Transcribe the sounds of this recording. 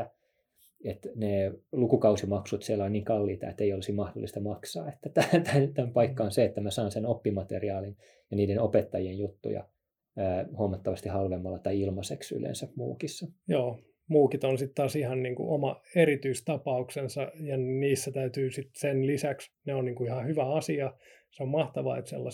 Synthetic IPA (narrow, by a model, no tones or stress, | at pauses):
æ | et̪neːlukukɑusimɑksut̪sielːæonniːŋkɑlːiːt̪ɑ̰ḛt̪ːeijolisimmɑhdo̰lːˑist̪ɑmɑksɑːet̪ːæt̪æt̪ænt̪æmpɑikːɑonseet̪ːæmæsɑːnsenopːimɑt̪ḛriɑːlin | jɑniːdenopet̪ːɑjienjut̪ːṵjɑ̰ | əːhuɑmɑt̪ːɑʋɑst̪ihɑlʋemːɑlːɑt̪ɑiilmɑseksy̰lḛnsæmṵːkisːɑjoː | muːkit̪onsit̪t̪ɑːsihɑnniːŋkṵʔomɑeɾit̪yist̪ɑpɑuksensɑjɑniːsːæt̪æyt̪yːsit̪senlisæksneonniːŋkuihɑhyʋæɑsiɑ | seommɑht̪ɑʋɑ̰et̪sḛlːɑ̰